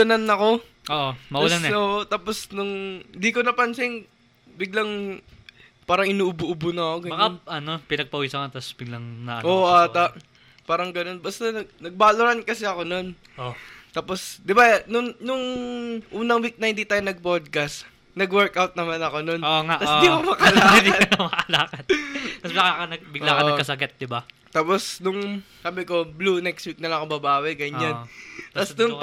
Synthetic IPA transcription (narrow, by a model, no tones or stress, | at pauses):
ɐnɐnːɐko̞ | ʔoʔomɐʔulnɛoːʔot̪aːposnʊŋnd̪ikonɐpɐnsɪŋ | bɪɡlɐŋ | paːɾɐŋʔɪnuːʔʊbʊʔʊbʊnɐɐkoɡɐmɐaʔɐno̞pɪnɐɡ̚pɐʔusɐkɐt̪ɐsb̥ɪɡ̚laŋnɐʔɐ̰ʔoːʔʔaːt̪aʔ | paːɾɐŋɡɐno̞nbɐst̪anɐɡnɐɡ̚baːloɾankɐsɛɐko̞no̞n | ot̪aːpo̞sd̪ɪbanʊŋnʊŋʔuːnɐŋwik̚nɐhɪnd̪iːt̪aːjonɐɡ̚pod̪̚kɐst̪ | nɐɡwɛɹkʔawt̪̚nɐmanɐko̞no̞noŋaɐsɪiɐkomɐkɐlaːkd̪iɐdk̪mɐkɐlaːkɐd̪t̪ɐsbakakɐnɐɡ̚bɪɡlakɐnɐɡkɐsɐɡɛt̪̚d̪ɪba | t̪aːposnʊŋsaːbɪko̞blunɛkst̪wik̚nɐlɐŋɐkobɐbaːwɛɡɐɲːant̪ɐsnʊŋ